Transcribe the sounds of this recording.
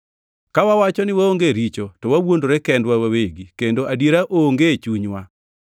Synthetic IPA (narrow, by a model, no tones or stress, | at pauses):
kawawat͡ʃɔnɪwaoŋɡeɾit͡ʃotɔwawondoɾɛkɛndwawaweɡikendoʔadjeɾaʔoːŋɡet͡ʃuɲwa